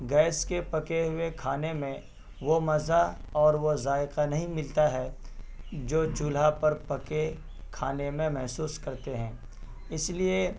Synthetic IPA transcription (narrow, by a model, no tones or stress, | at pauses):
ɡɛːɪskepɐkeɦʊekʰaːnemẽ | ʋomɐzaɔːɾʋozaːɪqanɐɦĩmɪlt̪aɦɛ | d͡ʒoːt͡ʃʊlapɐɾpɐke | kʰaːnemẽmɛɦsuːskɐɾt̪eɦɛ̃ː | ɪslie